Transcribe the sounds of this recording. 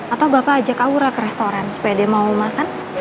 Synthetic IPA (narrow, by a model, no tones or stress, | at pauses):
at̪awbapaːd͡ʒakauɾakəɾɛst̪oɾansu̥pajadiamaumakan